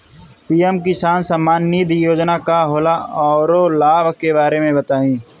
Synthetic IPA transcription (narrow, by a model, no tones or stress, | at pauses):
piːemkisaːnsəmːaːnːiːd̪ʱjoːd͡ʒnakaɦoːlaɔːɾolaːbkebaːɾemẽbɐt̪aːĩː